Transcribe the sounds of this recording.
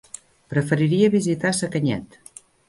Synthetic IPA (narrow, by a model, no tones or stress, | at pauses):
pɾəfəɾiɾiəβizit̪asəkəɲɛ̰t̪